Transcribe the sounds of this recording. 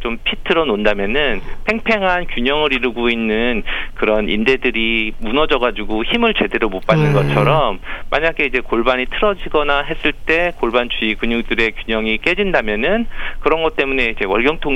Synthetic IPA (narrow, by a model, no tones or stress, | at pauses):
t͡ɕompʰitʰɯɾʌnondamjʌnɯnpʰe̞ŋpʰe̞ŋɦankjuɲʌŋɯɾiɾɯɡoinːɯnkɯɾʌnḭnde̞dɯɾimunʌd͡ʑʌɡad͡ʑuɡoçimɯɭt͡ɕe̞de̞ɾomop͈anːɯnɡʌt͡ɕʰʌɾʌmːaɲaɡe̞id͡ʑe̞koɭbaɲitʰɯɾʌd͡ʑiɡʌnaɦe̞s͈ɯɭt͈e̞koɭbant͡ɕiːkɯɲuŋdɯɾe̞kjuɲʌŋik͈e̞d͡ʑindamjʌnɯnkɯɾʌnɡʌt̚t͈e̞mune̞id͡ʑe̞wʌ̰ɭɡjʌŋtʰo